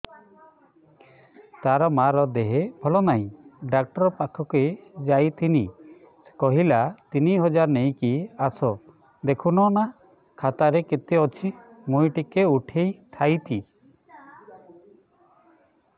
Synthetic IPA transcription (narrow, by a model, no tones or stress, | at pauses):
t̪aɾɔmaɾɔd̪eɦebʱɔlɔnaɦĩɖak̚ʈɔɾɔpakʰɔked͡ʒajt̪ʰini̥ | kɔɦilat̪iniɦɔd͡ʒaɾnej̃kiasɔ | d̪ekʰunɔna | kʰat̪aɾeket̪eɔt͡ʃʰi | mujʈikeuʈʰejt̪ʰajt̪ʰi